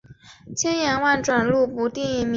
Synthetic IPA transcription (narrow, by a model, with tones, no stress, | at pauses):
t͡ɕʰjɛ˥njɛ˧˥nwa˥˩nʈ͡ʂwa˨˩nlu˥˩pu˧˥t̪i˥˩ŋi˥˩m˧